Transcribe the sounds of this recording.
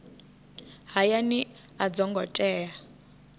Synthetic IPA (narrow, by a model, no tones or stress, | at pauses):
ɦajani | ad͡zɔŋɡɔtʼɛːja